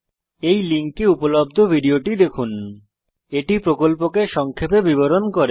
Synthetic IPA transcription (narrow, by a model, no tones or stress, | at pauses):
ejliŋkːeupolob̚d̪ʱobʱiɖioʈid̪ekʰun | eʈipɾokolpokeʃɔŋkʰepebiβoɾonkoɾe